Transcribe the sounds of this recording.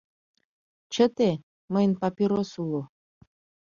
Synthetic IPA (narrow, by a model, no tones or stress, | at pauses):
t͡ɕət̪e | məjənpɑpʲiɾosulo